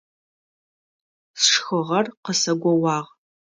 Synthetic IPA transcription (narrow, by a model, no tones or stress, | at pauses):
sʂxɨʁɐrqəsɐɡʷɔwɑːʁ